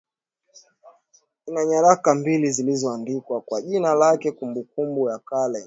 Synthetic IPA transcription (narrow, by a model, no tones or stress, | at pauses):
inaɲaɾakambilizilizɔandikwakwaʄinalakɛkumbukumbujakalɛ